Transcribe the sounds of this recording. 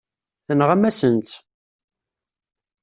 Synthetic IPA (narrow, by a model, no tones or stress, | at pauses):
θənʁæmæsənt̪